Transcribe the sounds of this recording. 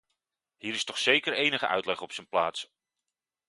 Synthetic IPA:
ɦiːɾɪstɔχsejkəɹejnəχə̰ʔœ̰ɥtlɛχɔpsənplaːts

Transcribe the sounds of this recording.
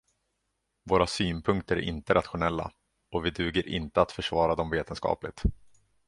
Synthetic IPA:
voːɾasyːnpʰɵŋkt̪əɾæ̰ʔɪ̰nt̪əɾat̪ɧʊnɛlːa̰ | ɔvɪd̪ʉ̟ːɡəɾʔɪ̰nt̪əat̪fœʂvɑːɾad̪ɔmveːt̪ənskɑ̰ːplɪt̪

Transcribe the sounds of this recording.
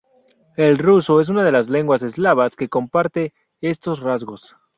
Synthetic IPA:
e̞lrusoe̞s̬unað̞e̞lazle̞ŋɡwase̞zlaβaske̞ko̞mpaɾt̪e̞ | est̪o̞srazɣo̞s

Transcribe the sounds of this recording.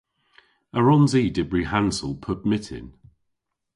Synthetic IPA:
əɹɒ̃nziːdɪbɹihãnsəlˠpʰəbmɪtʰɪ̰̃n

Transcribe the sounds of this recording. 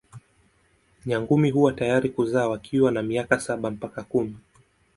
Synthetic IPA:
ɲaŋɡumiɦuwatajaɾikuzaːwakʰiwanamiakasaɓam̩pakakumi

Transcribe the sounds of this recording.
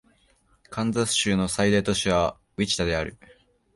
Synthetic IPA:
kʰãnd͡zasɨ̥ɕɨːno̞said̪at̪o̞ɕiβa | βit͡ɕi̥t̪ad̪e̞aɾɯ̟̰

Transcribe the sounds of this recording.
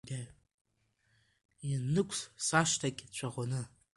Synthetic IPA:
ɡʲa | jinːɨkʷʰʼssaʂtʰakʲʼt͡ɕʷʰaʁʷanɨ

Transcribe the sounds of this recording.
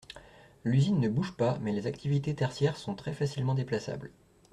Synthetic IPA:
lyzinːəbuʒpamɛlezak̚t̪ivit̪et̪ɛʁsjɛʁsɔ̃t̪χɛfasilmɑ̃d̪eplasa̰bl

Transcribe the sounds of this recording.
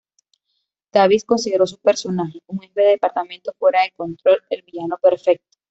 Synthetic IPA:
d̪̥aβisko̞nsiðe̞ɾo̞s̬upe̞ɾso̞naxeuŋefeðeðepaɾt̪ament̪ofwe̞ɾaðe̞kont̪ɾo̞lelβiʝanope̞ɾfe̞k̚t̪o̥

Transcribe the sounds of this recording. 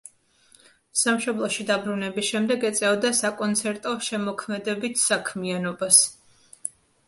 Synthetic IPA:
samʃɔblˠɔʃid̪abɾunɛbisʃɛmd̪ɛɡɛt̪sʼɛvd̪asakʼɔnt̪sʰɛɾt̪ʼɔʃɛmɔkʰmɛd̪ɛbit̪ʰsakʰmianɔbas

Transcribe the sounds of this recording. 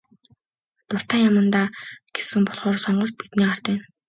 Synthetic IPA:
t̪ʊr̥t̪aːŋjamə̆nt̪aːɡ̥e̥sɘ̆ŋpɔɮχɔːrsɔɴɢɞ̆ɬt̪̚pit̪niːar̥t̪æːn

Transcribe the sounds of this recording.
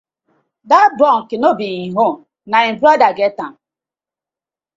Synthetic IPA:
dabɔŋkinobiiɦom | naem̩bɾdaɡetaŋ

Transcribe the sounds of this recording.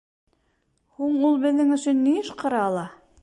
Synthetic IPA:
huɴulˠbɘ̆ðːɘŋɵ̆ʃɵnːiɘʃqɤ̆ɾɑɑlˠɑ

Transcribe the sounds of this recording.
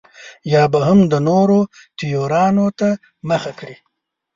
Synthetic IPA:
jɑːbaɦəmd̪ənoɾot̪ijoɾɑnot̪a | məxakɽi

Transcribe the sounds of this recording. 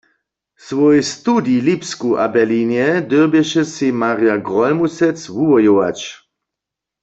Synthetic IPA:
svɔjst̪udilipskuʔa̰bɛlinjɛd̪øbjɛʃɛsimaʁjaɡʁɔlmusɛt͡sʋuʋɔjowa̰t͡ʃ

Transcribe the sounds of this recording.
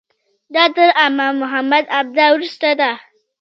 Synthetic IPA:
datɐɾʔamamʊɦamːɐdab̚dawuɾstata

